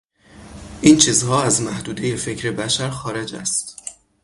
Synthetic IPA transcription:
ʔiːnt͡ʃʰiːzhɒːæzmæhd̪uːd̪e̞je̞fe̞cʰɾe̞bæʃæɾxɒːɾe̞d͡ʒæ̰st̪

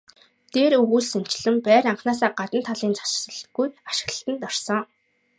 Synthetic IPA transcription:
t̪eːɾɵɣuːɮsan̥ʲt͡ɕɪ̆ɮɘ̆mpæːɾaɴχnaːs̬aːɢat̪ə̆nt̪ʰːaɮiːnt͡sḁt͡ɕsə̆ɮt̪ɡujaʃɪ̆ə̆ɬt̪ə̆nt̪ɔrsɞ̆ŋ

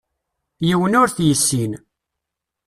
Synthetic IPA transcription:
jiwənʊɾθjəsːin

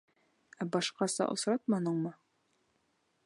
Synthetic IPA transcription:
æbɑʃqɑsɑ̰ʔŏ̰sɾɑt̪̚mɑnɤɴmɤ

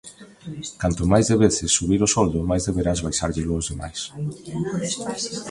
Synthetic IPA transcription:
kant̪ʊmajzðeβeθɪsːuβ̞iɾosɔld̪ʊmajzðeβeɾazβajsaɾʎɪlʊːzðema̰js

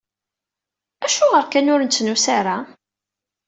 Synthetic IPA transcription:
æʃuʁəɾkænʊɾnt͡sːnusaɾa

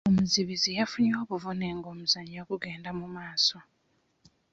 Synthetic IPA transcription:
omuziβizijafuɲo̞ːβuvuneŋɡoːmuzaɲokuɡe̞ːndamumaːso

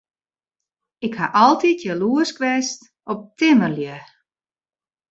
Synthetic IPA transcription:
ɪkhaʔɔlˠtitʰjəluəskʋɛst | ɔp̚tɪmərljə

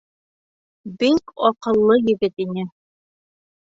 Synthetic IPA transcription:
bikɒqɤ̆lˠːɤjɘ̆ɡɘt̪inɘ

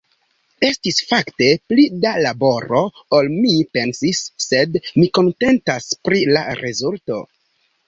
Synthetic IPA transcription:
e̞stisfakte̞plidalabo̞ɾo̞olmipe̞nsisːe̞dmiko̞nte̞ntaspɾila̰ɾezulto̞

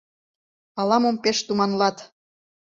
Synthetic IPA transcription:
ɑlɑmompeʃt̪umɑnlɑt̪

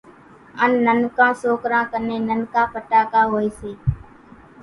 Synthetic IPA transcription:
ənːənkãːsoːkɾãːkəneːnənkãːpəʈaːkaːɦoːeːseː

